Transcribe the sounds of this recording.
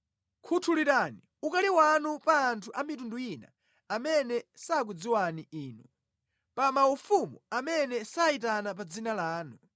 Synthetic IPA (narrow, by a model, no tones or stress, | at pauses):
kʰutʰuliɾani | ukaliwanupaːntʰuʔamitundujina̰ | amɛnɛsaːk̬wid͡ziwaniiːnu | pamaufumuamɛnɛsaitanapad͡zinalaːnu